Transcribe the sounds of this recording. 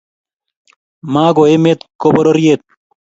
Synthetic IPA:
maːɡoemet̪koboɾoɾijet̪̚

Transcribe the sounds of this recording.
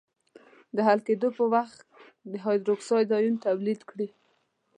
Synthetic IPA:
d̪əɦalked̪opəwaxt̪ | d̪əɦɑjd̪ɾoksɑjd̪ɑjunt̪awlid̪kɽi

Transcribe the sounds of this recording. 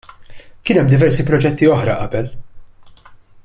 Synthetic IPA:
kɪːnɛmːd̪ɪvɛɾsipɾɔd͡ʒɛt̪ːiɔħɾɐʔɐbɛl

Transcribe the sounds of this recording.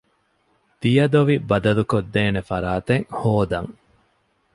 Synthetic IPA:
d̪̥ijɐd̪oʋibɐd̪ɐlukod̪ːeːnefɐɾaːt̪eŋhoːd̪ɐŋ

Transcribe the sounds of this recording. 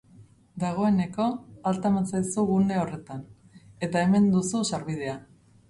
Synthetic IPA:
d̪aɣ̞o̞e̞ne̞ko̞alt̪amansajsuɣune̞o̞re̞t̪an | e̞t̪ae̞me̞nd̪ususaɾβið̞e̞a

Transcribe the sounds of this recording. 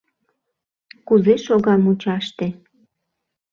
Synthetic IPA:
kuzeʃoɣɑmut͡ɕɑʃt̪ĕ

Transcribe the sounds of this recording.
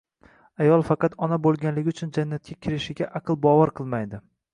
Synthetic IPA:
ajɒlˠfɑqɑt̪ɒnabolˠɡʲanlɪɡʲɪʊt͡ʃʰʊnd͡ʒanːat̪̚kʲakʲʰɪɾɪʃɪɡʲaʔɑqʰɨlˠbɒvaɾqʰɨlˠmajd̪ɪ

